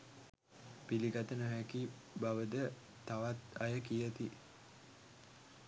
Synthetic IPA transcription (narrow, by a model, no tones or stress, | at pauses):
piliɡat̪ənəɦæki | baʋəd̪ə | t̪aʋat̪ajəkijət̪i